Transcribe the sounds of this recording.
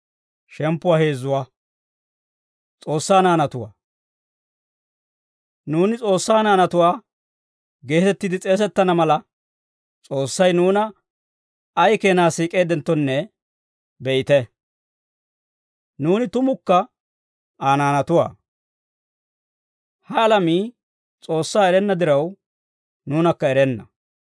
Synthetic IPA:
ʃɛmpːʊwaːhe̞ːzːʊwaː | t͡sʼo̞ːsːaːnaːnɐt̪ʊwa̰ː | nuːnɪt͡sʼo̞ːsːaːnaːnɐt̪ʊwaː | ɡe̞ːt̪ɛt̪ːɪd̪ɪt͡sʼe̞ːs̬ɛt̪ːɐnɐmɐlɐ | t͡sʼo̞ːsːɐjnuːnɐ | jke̞ːnaːsiːkʼe̞ːd̪ɛnt̪ːɔnːɛ | bɛʔɪt̪ɛ | nuːnɪt̪ʊmʊkːɐ | aːnaːnɐt̪ʊwa̰ː | hɐːlɐmiː | t͡sʼo̞ːsːaːɛɾɛnːɐd̪ɪɾɐw | nuːnɐkːɐɛɾɛnːɐ̰

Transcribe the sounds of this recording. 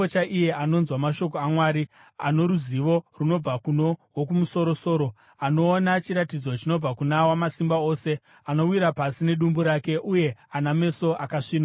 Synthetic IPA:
ot͡ʃaʔijeʔano̞nzwamaʃo̞ko̞amwaːɾi | a̰no̞ɾuziʋo̞runo̞b͡vakuno̞wok̬umuso̞ɾoso̞ːɾo̞ | ano̞ːnat͡ʃiɾatid͡zo̞t͡ʃino̞b͡vakunawamasimbao̞ːse̞ | ano̞wiɾapasine̞ɗumbuɾake̞ʔuje̞aname̞so̞ʔakaʂiːna

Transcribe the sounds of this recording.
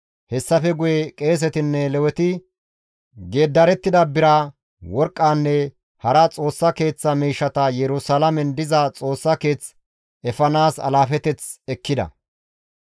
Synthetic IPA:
hɛsːɐfɛɡʊjɛkʼe̞ːs̬ɛt̪ɪnːɛlɛwɛt̪ɪ | ɡe̞ːd̪ːɐɾɛt̪ːɪd̪ɐbɪɾa | wɔɾkʼːaːnːɛ | hɐɾɐt͡sʼo̞ːsːɐke̞ːt͡sːɐmiːʃːɐt̪ɐjɛɾʊsɐlɐmɛnd̪ɪzɐt͡sʼo̞ːsːɐke̞ːt͡s | ɛfɐnaːsɐ̰laːfɛt̪ɛt͡sɛkːɪd̪ɐ̰

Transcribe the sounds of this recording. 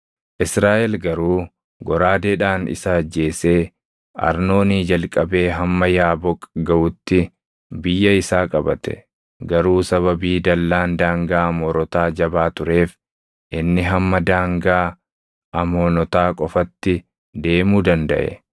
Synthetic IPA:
ʔɪsɾaːʔɛlɡɐɾuː | ɡɔɾaːd̪eːᶑaːnɪ̰saːd͡ʒe̞ːse̞ː | ɐ̰ɾno̞ːniːd͡ʒɐlkʼɐbe̞ːɦɐmːɐjaːbɔkʼːɡɐʔʊt̪ːɪ | bɪjːɐɪsaːkʼɐbɐt̪ɛ̥̰ | ɡɐɾuːsɐβɐbiːd̪ɐlːaːnd̪aːŋɡaːɐmɔːɾɔt̪aːd͡ʒɐbaːt̪ʊɾe̞ːf | ʔɪnːɪɦɐmːɐd̪aːŋɡaː | ʔɐmoːnɔt̪aːkʼɔfɐt̪ːɪ | d̪e̞ːmuːd̪ɐnd̪ɐ̰ʔɛ̰

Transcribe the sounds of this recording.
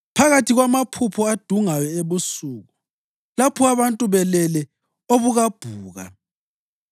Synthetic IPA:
pʰaɣatʰiɣwamapʰupʰɔad̥ʱuŋajɔeβusuːɣu | lapʰɔaβantʼuβɛlɛlɛ | oβuɣab̥ʱuːɣa̰

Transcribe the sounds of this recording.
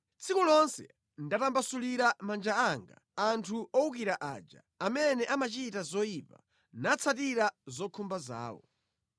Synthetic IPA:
t͡sʰikulɔnsɛ̰ | ndatambasuliɾamand͡ʒaaŋɡa̰ | antʰuʔɔuk̬iɾaʔa̰ːd͡ʒa̰ | amɛnɛʔamat͡ʃitazɔipa̰ | nat͡sʰatiɾazɔkʰumbaza̰ːwɔ̰

